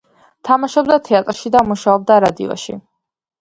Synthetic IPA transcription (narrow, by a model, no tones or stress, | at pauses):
t̪ʰamaʃɔbd̪at̪ʰɛat̪ʼɾʃid̪amuʃaɔb̚d̪aɾad̪ḭɔ̰ʃḭ